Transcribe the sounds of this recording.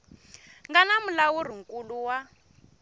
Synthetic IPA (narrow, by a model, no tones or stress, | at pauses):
ŋɡanamulawuriŋkʼuluwa